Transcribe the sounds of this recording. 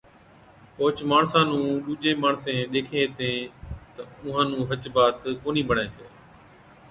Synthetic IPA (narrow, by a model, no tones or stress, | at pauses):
poːt͡ʃmaːɳsãːnũːɗuːd͡ʒẽːmaːɳsẽːɗ̪eːkʰẽːt̪ẽːt̪əʊ̃ɦãːnũːɦət͡ʃbaːt̪koːnĩːbʱəɳẽːt͡ʃʰeː